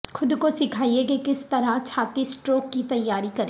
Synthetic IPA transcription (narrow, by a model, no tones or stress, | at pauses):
xʰʊd̪kosɪkʰaːiekekɪst̪ɐɾat͡ʃʰaːt̪isʈɾoːkːit̪ɐjːaːɾikɐɾeː